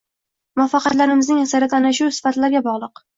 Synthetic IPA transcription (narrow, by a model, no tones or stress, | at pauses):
mɒfːɑqʰɑt̪laɾɪmɪznɪŋasaɾat̪ʰanaʃusɪ̥fat̪ʰlaɾɡʲabɒʁlˠɨq